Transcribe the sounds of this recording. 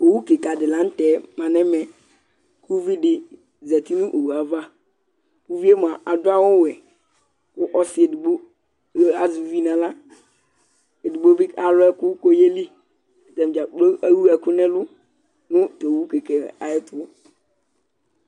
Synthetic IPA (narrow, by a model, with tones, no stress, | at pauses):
o˨wu˦ke˨ka˨dɪ˨la˨˦n̩˦tɛ˨˦mã˨nɛ̃˦mɛ˨ | ku˦vi˦dɪ˨ | zɛ˨t̪i˦nʊ̃˦ʔo˨wu˨a˨va˦ | ku˦vi˦e˦m˨a˨ʔa˨dʊ˦a˦wʊ˦wɛ˨ | kʊ˦ʔɔ˦sɪ˨e˨du˨ɡ͡bo˦ | a˨zu˨vi˦nã˨la˦ | e˨du˨ɡ͡bo˦bi˦a˨lʊ˦ɛ˦kʊ˦ko˦je˦li˦˨ | tɛ˨m˨d͡ʒa˨k͡po˦a˦wu˦ɛ˨kʊ˦nɛ̃˦lʊ˦ | nʊ̃˦to˨wu˦ke˨kɛ˨a˨ɪ˦tʊ˦ɔ˦